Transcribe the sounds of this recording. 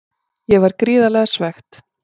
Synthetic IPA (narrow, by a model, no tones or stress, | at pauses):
jɛvaɾkɾiːðalɛɣasvɛxt̪